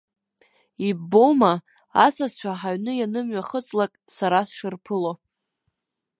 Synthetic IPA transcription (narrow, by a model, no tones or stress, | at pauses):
iboma | asazt͡ɕʷʰaħaɥnɨjanɨmɥaχət͡sʼlakʼsaɾasʂɨrpʰɨlo